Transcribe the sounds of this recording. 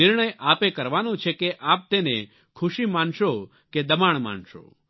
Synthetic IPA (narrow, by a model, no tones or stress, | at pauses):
ɪɾɳəjʔapekəɾʋanõt͡ʃʰekeʔap̚t̪ene | kʰʊʃimanʃo | ked̪əmaɳma̰nʃo̰